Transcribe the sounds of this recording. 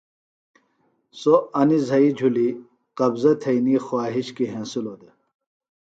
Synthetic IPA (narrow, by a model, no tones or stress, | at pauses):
soɐnizɐid͡ʑʱuli | qɐbzɐt̪ʰɐjnixwaːɦiɕkiɦẽnsulod̪e